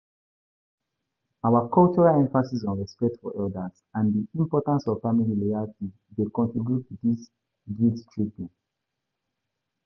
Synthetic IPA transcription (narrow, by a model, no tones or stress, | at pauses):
aʊwakʰɔlt͡ʃɔɹalɛ̃ɱfasisɔ̃nɹɛspɛk̚tfɔʔɛldaz̥ | ãndiĩmpɔtãnsɔvfamililoalti | dekɔ̃ntɹibjutʰudis | ɡittʰɹipĩŋ